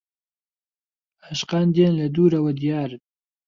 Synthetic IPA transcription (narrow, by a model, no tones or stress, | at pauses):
aʃqɑːnd̪eːnlɐd̪uːɾɐwɐd̪ijaːɾɨn